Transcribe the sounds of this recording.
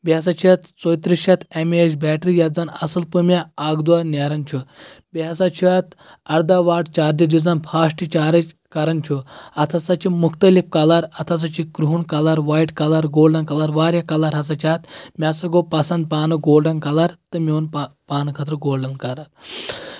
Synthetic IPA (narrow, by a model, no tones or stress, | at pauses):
bias̬at͡ʃʰiɐt̪t͡soːjt̪ɾiʃat̪emiet͡ʃbʲɛːʈɾijad͡zanɐ̰səlpəmʲaaːɡd̪uʋanʲaːɾɐnt͡ʃʰubiasat͡ʃʰiat̪ | ɐɾd̪aʋaːʈt͡ʃaːɾd̪ɐd͡ʒid͡zanpʰaːʂʈit͡ʃaːɾɐ | kaɾɐnt͡ʃʰuɐt̪ʰasat͡ʃimukʰt̪əlifkalaɾɐt̪ʰas̬at͡ʃikɾuɦuɳkalaɾʋaːiʈkalaɾɡoːlɖɐnkalaɾʋaːɾjakɐlaɾɦɐs̬at͡ʃʰat̪mʲasɐɡopasɐnd̪̚paːnɨɡoːlɖɐnkalaɾt̪ɨmʲiunpaːnɨkʰɐt̪ɾəɡoːlɖɐnkaɾaɾ